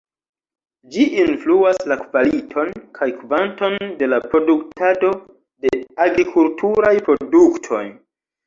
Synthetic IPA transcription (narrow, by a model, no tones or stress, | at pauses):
d͡ʒiʔinfluaslakvalitʰo̞nkʰajkvanto̞nde̞lapɾo̞duktado̞ | de̞aɡɾikʰultuɾajpɾo̞duktʰo̞̰j